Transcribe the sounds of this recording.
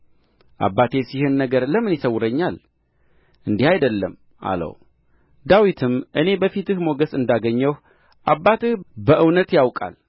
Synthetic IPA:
ʔa̰bːat̪ʰe̞sihɨnːəɡəɾləmɨnjɪsəwːʊɾəɲːal | ʔɨnd̪ihajd̪əlːəm | ʔa̰lə̰w | d̪awit̪ʰɨmʔɨne̞bəfit̪ɨhmo̞ɡəsɨnd̪aɡəɲːəwh | ʔabːat̪ɨhbəʔɨwnət̪jawkʼa̰l

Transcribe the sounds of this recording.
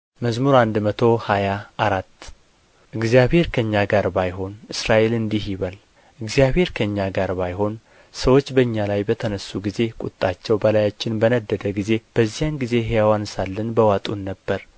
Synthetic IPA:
məzmuɾand̪mət̪ʰo̞hajaʔːɾat̪ː | ʔɨɡzijaβhe̞ɾkʰəɨɲːaɡaɾbajɦo̞nɨsɾaʔe̞lɨnd̪ihiβal | ʔɨɡzijaβhe̞ɾkʰəɨɲːaɡaɾbajɦo̞n | səwo̞t͡ʃːbəɨɲːalajbət̪ʰənəsːuɡize̞kʼut̪ʼːat͡ʃːɛwbəlajat͡ʃːɪnbənəd̪ːəd̪əɡize̞b̥əzːijanɡize̞ɦejawansalːənbəwat̪ʼunːəbːəɾ

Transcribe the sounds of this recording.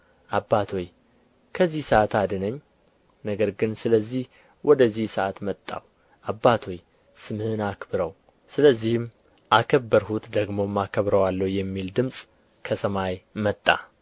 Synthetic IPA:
ʔabːat̪ʰo̞j | kʰəzːihsəat̪ʰad̪ɨnəɲː | nəɡəɾɡɨnsɨləzːih | wɔd̪əzːihsəʔat̪mət̪ʼːa̰w | ʔabːat̪ʰo̞j | sɨmhɨnakbɨɾəw | sɨləzːihɨm | ʔakʰəbːəɾhut̪d̪əɡmo̞mːakʰəβɾəwalːəwjɛmːild̪ɨmsʼ | kʰəsəmajmət̪ʼːa̰

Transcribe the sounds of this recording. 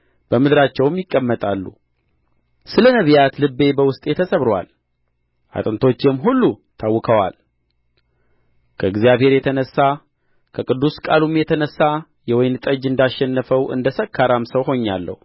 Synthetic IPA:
b̥əmɨd̪ɾat͡ʃːɛwmjɪkʼːəmːət̪ʼalːṵ | sɨlənəβjat̪lɨbːe̞bəwʊst̪ʼjɛt̪ʰəsəβɾwa̰l | ʔa̰t̪ʼɨnt̪ʰo̞t͡ʃːjɛmːɦulːut̪ʰawːɨkʰəwa̰l | kʰəɨɡzijaβhe̞ɾjɛt̪ʰənəsːa | kʰəkʼɨd̪ːuskʼalumjɛt̪ʰənəsːa | jɛwɔjnt̪ʼəd͡ʒɨnd̪aʃːɛnːəfəwɨ̰nd̪əsəkʰːaɾamsəwɦo̞ɲːa̰lːə̰hu

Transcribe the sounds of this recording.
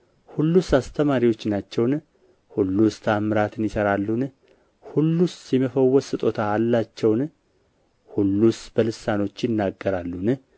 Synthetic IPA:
hulːusast̪ʰəmaɾiwo̞t͡ʃːnat͡ʃːɛwn | hulːust̪ʰamɨɾat̪ʰɨnjɪsəɾalːun | hulːusɛməfəwːɔsɨt̪ʼo̞t̪ʰaːlːat͡ʃːɛwn | hulːusbəlɨsano̞t͡ʃːjɪnːaɡːəɾalːun

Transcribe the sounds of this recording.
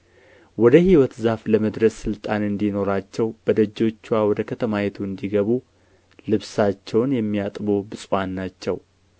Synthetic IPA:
wɔd̪əhiwɔt̪zafləməd̪ɾəssɨlt̪ʼanɨnd̪ino̞ɾat͡ʃːɛwbəd̪əd͡ʒːo̞t͡ʃːwawɔd̪əkʰət̪ʰəmajɛt̪ʰuɨnd̪iɡəβu | lɨβsat͡ʃːɛwnjɛmːijat̪ʼbo̞bɨsʼwanːat͡ʃːɛw

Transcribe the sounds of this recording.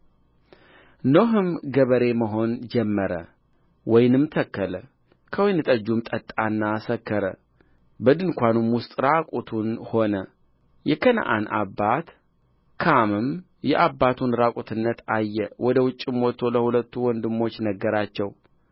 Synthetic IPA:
no̞ɦɨmɡəβəɾe̞məɦo̞nd͡ʒɛmːəɾə̰ | wɔjnɨmt̪ʰəkːələ | kʰəwjnɨt̪ʼəd͡ʒːumt̪ʼət̪ʼːanːasəkːəɾə̰ | bəd̪ɨnkʷanumwʊst̪ʼɾakʼut̪ʰunho̞nə | jɛkʰən̰ʔa̰nʔa̰bːat̪ | kʰamɨm | jɛʔabːat̪ʰunɾakʼut̪ʰɨnːət̪ajːɛwɔd̪əwʊt͡ʃʼːɨmwot̪ʰːo̞ləhulət̪ːuwɔnd̪ɨmːo̞t͡ʃːnəɡːəɾat͡ʃːɛw

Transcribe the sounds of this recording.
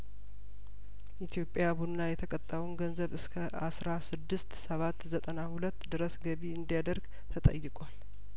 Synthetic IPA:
ʔit̪ʰijo̞pʼjabunːajɛt̪ʰəkʼət̪ʼːəlnɡənzəβɨskʰə | a̰sɾasɨd̪ːɨst̪səβat̪ːzət̪ʼənahulət̪ːd̪ɨɾəsɡəβiɨnd̪ijad̪əɾɡ | t̪ʰət̪ʼə̰jːɪkʼal

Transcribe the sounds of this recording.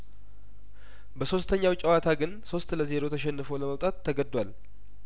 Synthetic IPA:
bəso̞st̪ʰəɲːawt͡ʃʼːɛwat̪ʰaɡɨnso̞st̪ləze̞ɾo̞t̪ʰəʃɛnːɨfoləməwt̪ʼat̪ʰːəɡəd̪ːwal

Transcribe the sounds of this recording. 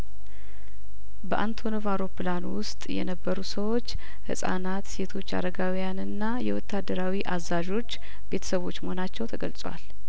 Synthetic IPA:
bəʔant̪ʰo̞novawɾopɨlanwʊst̪ʼjɛ̰nəbːəɾusəwot͡ʃː | hɨ̰sʼa̰nat̪se̞t̪ʰo̞t͡ʃːa̰ɾəɡawijanɨnːajɛwɔt̪ʰːad̪ːəɾawiʔazaʒo̞t͡ʃː | b̥e̞t̪ʰə̥səβo̞t͡ʃːməhonat͡ʃːɛwt̪ʰəɡəlsʼwa̰l

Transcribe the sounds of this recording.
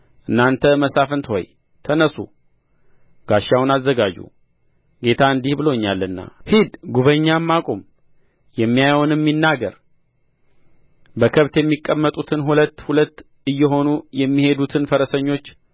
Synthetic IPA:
ʔɨnːant̪ʰəməsafɨnt̪ho̞̰j | t̪ʰənəsṵ | ɡ̥aʃːawʊnazːəɡad͡ʒṵ | ɡe̞t̪ʰaɨnd̪ihbɨlo̞ɲːalːɨnːa̰hid̪ɡuβəɲːamːakʼom | jɛmːijajwnɨmːinːaɡəɾ | bəkʰəβt̪jɛmːikʼːəmːət̪ʼut̪ʰɨnɦulət̪ːhulət̪ː | ɨjːɛɦo̞nujɛmːihe̞d̪ut̪ʰɨnfəɾəsəɲːo̞t͡ʃː

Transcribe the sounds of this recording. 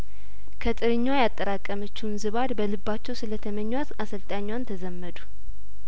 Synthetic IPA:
kʰət̪ʼɨɾɨɲːajat̪ʼːəɾakʼːəmət͡ʃːwnzɨβad̪bəlɨbːat͡ʃːɛwsɨlət̪ʰəməɲːwat̪asəlt̪ʼaɲːwant̪ʰəzəmːəd̪u̥

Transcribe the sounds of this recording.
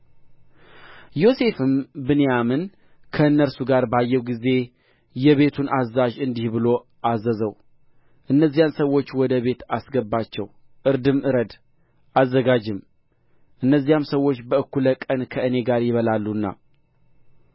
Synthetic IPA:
jo̞se̞fɨmbɨnjamɨn | kʰəɨnːəɾsuɡaɾbajːɛwɡize̞ | jɛβe̞t̪ʰunazːaʒɨnd̪ihbɨlo̞ | ʔazːəzəw | ʔɨnːəzːijansəwːo̞t͡ʃːwɔd̪əβe̞t̪asɡəbːat͡ʃːɛw | ʔɨɾd̪ɨmʔɨɾəd̪ | ʔazːəɡad͡ʒɪm | ʔɨnːəzːijamsəwːo̞t͡ʃːbəɨkːuləkʼənkʰəɨne̞ɡaɾjɪβəlalːuɨnːa̰

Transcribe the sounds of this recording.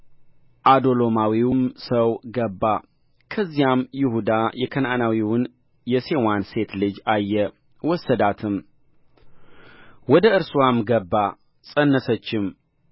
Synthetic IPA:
ʔad̪o̞lo̞mawiwmsəwɡəbːa | kʰəzːijamjɪhud̪ajɛkʰəna̰nawiwʊn | jɛse̞wanse̞t̪lɨd͡ʒajːɛ | wɔsːəd̪at̪ʰɨm | wɔd̪əɨɾsuwamɡəbːa | sʼənːəsət͡ʃːɪm

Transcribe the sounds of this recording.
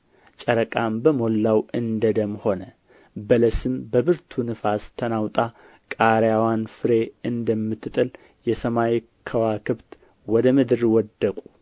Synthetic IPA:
t͡ʃʼəɾəkʼambəmo̞lːawɨnd̪əd̪əmho̞nə | bələsɨmbəβɨɾt̪ʰunɨfast̪ʰənawt̪ʼa | kʼaɾjawanfɨɾe̞ɨnd̪əmːɨt̪ʰːɨt̪ʼɨl | jɛsəmaj | kʰəwakʰɨβt̪ | wɔd̪əmɨd̪ɨɾwɔd̪ːəkʼu̥

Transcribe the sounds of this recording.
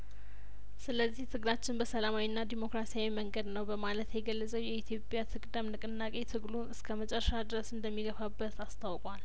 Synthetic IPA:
sɨləzːiht̪ʰɨɡɨlat͡ʃːɪnbəsəlamawinːad̪imo̞kɾasijawiməŋɡəd̪nəwbəmalət̪ʰjɛɡəlːəzʼəwjɛit̪ʰjo̞pʼjat̪ʰɨkʼd̪əmnɨkʼɨnːakʼe̞t̪ʰɨɡlunɨskʰəmət͡ʃʼɛɾʃad̪ɨɾəsɨnd̪əmːiɡəfabːət̪ʰast̪ʰawkʼwal

